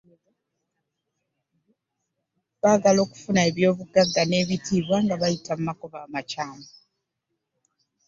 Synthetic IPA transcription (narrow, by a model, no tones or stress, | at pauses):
βaːɡalo̞ːku̥funae̞βjo̞ːβuɡaɡːane̞ːβitʰiːβwaŋɡaβajitamumakoβaːmacaːmo